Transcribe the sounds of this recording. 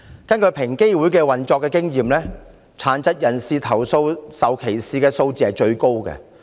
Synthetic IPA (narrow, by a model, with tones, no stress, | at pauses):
kɐ˥nkɵ˨˧pʰɪ˨˩ŋke˥jwu˨˥jkɛː˧wɐ˨˩nt͡ʃɔː˧kːɛː˧kɪ˥ŋjiː˨mlɛː˥ | t͡sʰaː˨˥nt͡sɐ˥t̚jɐ˨˩nsiː˧t̪ʰɐ˨˩wso˧wsɐ˨wkʰe˨˩jsiː˨˧kɛː˧so˧wt͡siː˧˨˧ɐ˨˩t͡ʃɵ˧ɥko˥wkɛ̰˧